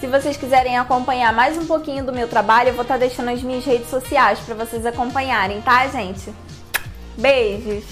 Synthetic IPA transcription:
sɪvosejskizɛɾẽj̃akõpɐ̃ɲaɾmajzũpokĩɲʊd̪ʊmewt̪ɾabaʎʊewvowt̪aɾd̪ejʃɐ̃nd̪ʊɐzmĩɲɐzhed͡ʒɪsosiajspɾɐvosejzakõmpɐ̃ɲaɾẽj̃t̪aʒẽt͡ʃɪ | beʒʊs

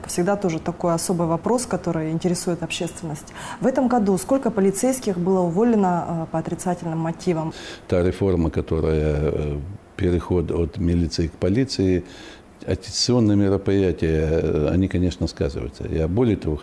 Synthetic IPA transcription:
fsʲɪɡd̪at̪o̞ʐɨt̪ɐko̞jɐso̞bɨjvɐpɾo̞skɐt̪o̞ɾɨjɪnʲtʲɪɾʲɪsujɪt̪ɐpɕːest̪vʲɪnːəsʲtʲvɛt̪əmɡɐd̪usko̞lʲkəpəlʲɪt̪sɛjskʲɪxbɨlˠəʊvo̞lʲːɪnəpɐt̪ɾʲɪt̪satʲɪlʲnɨmːɐtʲivəmt̪aɾʲɪfo̞rməkɐt̪o̞ɾəjə | pʲɪɾʲɪxo̞d̪ot̪mʲɪlʲit̪sɨɪkpɐlʲit̪sɨɪ | ɐ̰kʲɪ̥t̪sɨo̞nːɨjəmʲɪɾəpɾʲɪjætʲɪjəɐ̰nʲikɐnʲe̞ʂnəska̰zɨ̰və̰jɪt̪sə̰ja̰bo̞lʲɪjət̪ɐvo̞

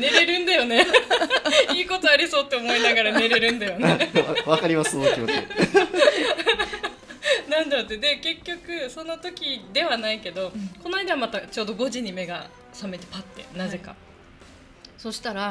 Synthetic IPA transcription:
ne̞ɾe̞ɾɯ̟̃nd̪ajo̞ne̞ | iːko̞t̪o̞aɾʲiso̞ːt̪ːe̞omo̞inaɡaɾane̞ɾe̞ɾɯ̟̃nd̪ajo̞neβakaɾʲimasokʲioe | nãnd̪aot̪ːed̪e̞ke̞kʲːo̞kɯ̟so̞no̞t̪o̞kʲid̪e̞βanaike̞d̪o̞ko̞naid̪eβamat̪at͡ɕo̞ːd̪o̞ɡo̞ʑiɲ̟ime̞ɡa | same̞t̪e̞̥pat̪ːe̞̰naze̞ka̰ | so̞ɕi̥t̪aɾa

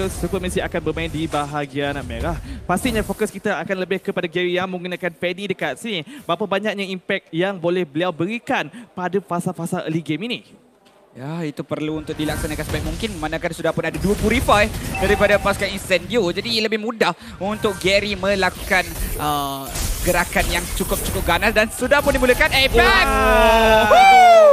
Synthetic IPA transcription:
ɔsukəməsiakanbərmãɪndibaɦaɡianaʔ̚meɾahpast̪iɲãfokəskit̪aakanləbɪhkəpadaɡɛɾijaŋmə̃ŋɡunãkanpɛnidəkat̪̚sinibapabaɲak̚ɲaimpɛk̚jaŋbolɛhbəliawbəɾikanpadafasafasalʔə̰liɡemini | jait̪upərluːnt̪ʊk̚dilaksanakansəbaj̚muŋkɪnmanãkansudahpʊnadaduəpuɾifadaɾipadapaskainsɛndiod͡ʒadiləbɪhmudah | unt̪ʊk̚ɡɛɾimə̃lakukanə | ɡəɾakanjaŋt͡ʃukʊp̚t͡ʃu̥kʊp̚ɡanasdansudahpʊndimuləkanapɛ

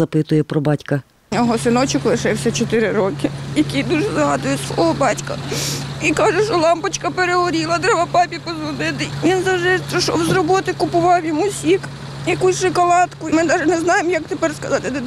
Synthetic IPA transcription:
ɐpɪt̪ʊjɛpɾɔbɑtʲkɐ | nʲɔɦɔsɪnɔt͡ʃɪklˠɪʃɪwsʲɛt͡ʃɔt̪ɪɾɪɾɔkɪjɐkijd̪uʒɛzɐɦɑd̪ʊjɛsʋɔɦɔbɑtʲkɐikɑʒɛʃɔlˠɑmpɐt͡ʃkɐpeɾeɦɔɾʲilˠɐd̪ɾɛʋɐpɑpʲipɔzʋɔnɪt̪ɪʋʲinzɐwʒd̪ɪt̪ʃɔwzrɔbɔt̪ɪkʊpʊʋɑwjɔmusʲix | jɐkusʲʃɪkɔlˠɑt̪kʊmɪd̪ɑʒɛnɛznɑjemjɐkt̪epɛrskɐzɑt̪ɪd̪ɪ

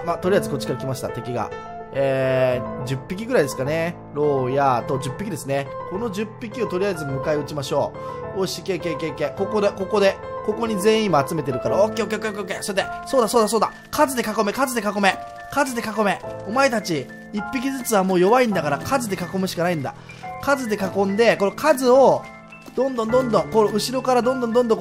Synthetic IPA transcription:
mat̪oɾiaizɨko̞t͡ɕːi̥kaɾakʲimaɕi̥t̪a̰t̪e̞kʲiɡa̰ | eːd͡ʑɨpʲːikʲiɡɯ̟ɾaid̪e̞sɨ̥kane̞ | ɾo̞ːjat̪o̞d͡ʑɨpːʲikʲid̪e̞sɨneko̞no̞ʑɨpʲːikʲio̞t̪o̞ɾʲijaizɨmɯ̟kaeɯ̟t͡ɕimaɕo̞ːoɕi̥ke̞ːke̞ːke̞ːke̞ːko̞kod̪e̞ko̞ko̞d̪e̞ | ko̞ko̞ɲ̟izẽ̞ːĩːmoat͡sɨme̞t̪e̞ɾɯ̟kaɾaoːkʲeːokeokeokeokːeːsot̪esoːd̪aso̞ːd̪as̬oːd̪a | kʰazɨd̪e̞kako̞me̞kazɨd̪e̞kako̞me̞ | kazɨd̪e̞kako̞me̞o̞mae̞t̪at͡ɕi | ipːikʲizɨt͡sɨβamo̞ːjo̞βaĩnd̪akaɾakʰazɨd̪e̞kako̞mɯ̟ɕi̥kanaĩnd̪a̰ | kazɨd̪e̞kakõ̞nd̪e̞ko̞nokʰazɨo̞ | d̪̥õ̞nd̪õnd̪õ̞nd̪õŋkoɯ̟ɕiɾo̞kaɾad̪õ̞nd̪õ̞nd̪õnd̪õŋ

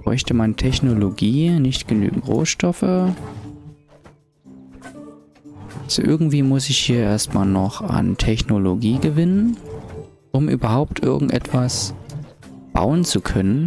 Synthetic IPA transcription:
b̥ʁ̥ɔ̰ʏçtəmantʰɛçnoloɡiːnɪçtɡ̥əny̰ːɡŋ̩tʁo̰ːsʃtɔfə | ʔʔalz̥oʔɪɐɡŋ̩tv̥iːmʊsɪçhiːɐʔeːɐstmaːlnɔχa̰ntʰɛçnoloɡiːɡəvɪnən | ʔʊmʔyːbɐhaʊp̚tʔɪ̰ɐɡŋ̩tʔɛ̰tv̥as | b̥a̰ʊənt͡sukʰœnən

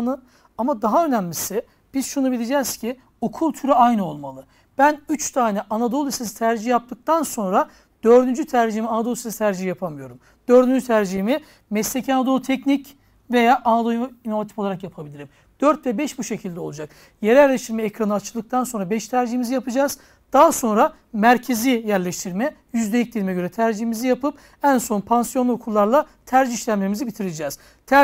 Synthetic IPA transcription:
nɯ | amad̪aɦaø̞næmlʲisɪ | b̥iz̥ʃunubilʲid͡ʒɛz̥cʰi | o̞kʰulˠt̪ʰyɾɛajnɯo̞lˠmalˠɯ | b̥ænyt͡ʃt̪ʰaːnɛʔanad̪o̞lˠist̪esi̥t̪ʰæɾd͡ʒiijap̚t̪ɯk̚t̪ʰanso̞nɾa | d̪̥ø̞ɾd̪ynd͡ʒyt̪ʰæɾd͡ʒiimianad̪olˠisesit̪ʰæɾd͡ʒiɦijapʰamɯjo̞ɾum | d̪̥ø̞ɾd̪ynd͡ʒyt̪ʰæɾd͡ʒiimi | mɛslʲecʰanad̪o̞lt̪ʰɛcnic | ve̞jaːʔanad̪ojuino̞vat̪ʰipfoaɾakjapʰabilʲiɾim | d̪̥øɾt̪vɛbɛʃbuʃe̞cʰilʲd̪ɛo̞lˠud͡ʒak | jeɾɛjæɾlʲeʃt̪ʰiɾmɛːkɾanɯat͡ʃʰɯlˠd̪ɯkt̪ʰanso̞nɾabɛʃt̪ʰæɾd͡ʒiɦimizijapʰɯd͡ʒaːz | d̪̥aɦaso̞nɾa | mæɾcʰe̞zijæɾlʲeʃt̪ʰiɾmɛjyzd̪eic̚d̪ilimɛɟø̞ɾɛt̪ʰæɾd͡ʒiɦimizijapɯp | ænso̞npʰansjonˠuokʰulˠːaɾlˠa | t̪ʰæɾd͡ʒiiʃlʲæmmemizibit̪ʰiɾid͡ʒɛːz̥ | t̪ʰæ

